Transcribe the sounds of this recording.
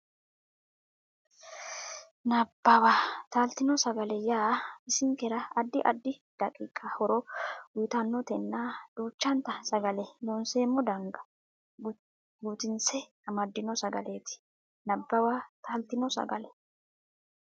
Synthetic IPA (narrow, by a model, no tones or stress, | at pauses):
nɐbːɐwat̪aːlt̪ɪnɔsɐɡɐlɛjaːɪsɪŋkɛɾɐːd̪ːɪʔɐ̰d̪ːɪd̪̥ɐkʼḭːkʼːɐhɔɾɔwʊjt̪ɐnːɔt̪ɛnːaːd̪̥uːt͡ʃːɐnt̪ɐsɐɡɐlɛloːnseːmːɔd̪ɐŋɡɐ̥ | ɡuːt̪ɪnsɛ | ɐmɐd̪ːɪnɔsɐɡɐ̰le̞ːt̪ɪ̥ | nɐbːɐwaːt̪aːlt̪ɪnɔsɐ̰ɡɐ̰lɛ